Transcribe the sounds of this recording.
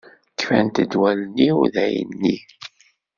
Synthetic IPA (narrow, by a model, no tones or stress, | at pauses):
kːfænt̪əd̪wælənːiuðæjə̰nːi